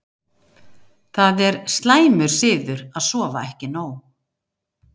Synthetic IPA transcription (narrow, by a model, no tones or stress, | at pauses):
θaðɛɾst̪laːjmʏɾ̥sɪːðʏɾaðsɔːvaɛhcɪnaːw